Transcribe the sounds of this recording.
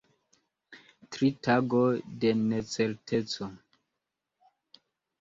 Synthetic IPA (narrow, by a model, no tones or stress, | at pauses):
tɾitaɡodenet͡seɾtʰet͡so